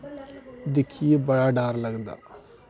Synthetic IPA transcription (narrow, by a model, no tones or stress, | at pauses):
d̪ɪkʰijebəɽaɖaːɾləɡd̪a̰ː